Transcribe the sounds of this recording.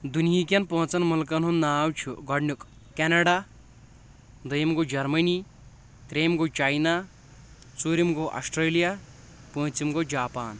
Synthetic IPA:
d̪unjik̬ʲɐnpɐɦũt͡sɐnmulk̬ɐnɦunːaːwt͡ʃʰuɡɔɽnuk | kenɐɖa | d̪ɐjimɡod͡ʒɐɾmɐni | t̪ɾeːmɡot͡ʃaːjna | t͡suːɾimɡoʔɐ̰sʈɾeːlija | pɐːt͡simɡod͡ʒaːpaːn

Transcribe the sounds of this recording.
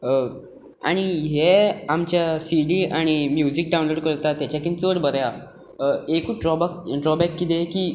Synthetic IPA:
a̰ɽ̃iɦeamt͡ɕjasiɽiaɽ̃imjud͡ʑik̚ɖaw̃nloɽkəɾt̪at̪jat͡ɕakint͡səɽbəɾja | ekuʈɾɔbakʈɾɔbɛkːit̪ekiː

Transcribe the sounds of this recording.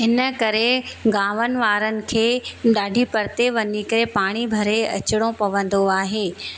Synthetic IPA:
ɪnəkɐɾeɡaːʋənɪ̆ʋaːɾənɪ̆kʰeːɗaːɖʱipɐɾt̪eʋɐɲikɐɾepaːɽ̃ibʱɐɾeɐ̰t͡ɕɪɽ̃opɐʋə̃nd̪oaːɦeː

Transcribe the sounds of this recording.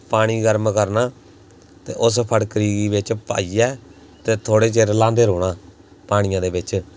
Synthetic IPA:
paːɽ̃iːɡəɾmkəɾnaː | t̪ḛːʔʊspʰəɽkəɾiːɡiːbɪt͡ʃpa̰ːiːɛː | t̪eːt̪ʰoːɽeːt͡ʃeːɾlãːnd̪eːɾoːɽaː | paːɽ̃ɪjãːd̪eːbɪt͡ʃ

